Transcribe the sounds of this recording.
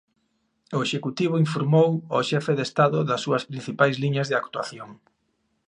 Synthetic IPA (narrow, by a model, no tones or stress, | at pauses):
ʊeʃekut̪iβ̞oiɱfoɾmowoʃɛfeðest̪aðʊðɐsːuɐspɾin̟θipajzliɲɐzðeakt̪ua̰θjoŋ